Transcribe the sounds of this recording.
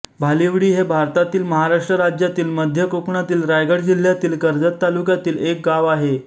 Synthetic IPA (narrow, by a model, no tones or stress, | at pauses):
bʱaliʋɽiːɦebʱaɾt̪at̪iːlməɦaɾaʂʈɾəɾad͡ʑjat̪iːlməd̪ʱjəkukɳat̪iːlɾajɡəɽd͡ʑil̤jat̪iːlkəɾd͡zət̪ːalukjat̪iːlek̚ɡaʋaɦe